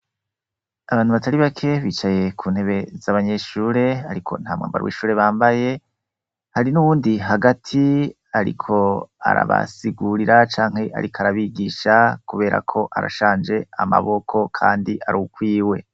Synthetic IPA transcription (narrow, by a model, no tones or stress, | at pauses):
aβaːn̥huβatʰaɾiβakʰe̞βiːt͡ʃaje̞kʰuːn̥he̞βe̞zaβaɲe̞ʃuɾe̞aɾikʰo̞̰n̥ha̰ːmŋa̰ːmbaɾwḭːʃuːɾe̞βaːmbaje̞ | haɾinuβuːndiɦaɡatʰi | aɾḭkʰo̞a̰ɾa̰βa̰siɡuɾiɾat͡ʃaːŋhe̞ʔa̰ɾikʰaɾaβiɡiːʃakuβe̞ːɾa̰kʰo̞ʔa̰ɾa̰ʃaːnd͡ʒe̞a̰ma̰βo̞kʰo̞kʰa̰ːndiʔaɾuukwiːwe̞